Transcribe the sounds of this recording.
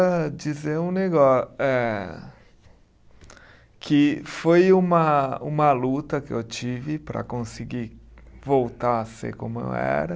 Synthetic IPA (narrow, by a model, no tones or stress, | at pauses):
ɐd͡ʒizeũneɡɔɛ | kʰɪfojũmɐũmɐlut̪ɐkɪewt͡ʃivɪpɾɐ̰kõsɪɡivowt̪aɐsḛkõmʊḛwɛ̰ɾɐ